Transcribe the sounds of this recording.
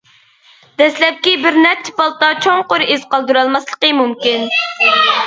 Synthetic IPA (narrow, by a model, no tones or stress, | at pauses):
d̪̥ɛslɛp̚kʲibɪɾnɛɾt͡ʃʰːi̥pɑlˠt̪ɑt͡ʃʰoŋqoɾiz̥qɑlˠd̪uɾɑlˠmɑslˠəqəmumkʲin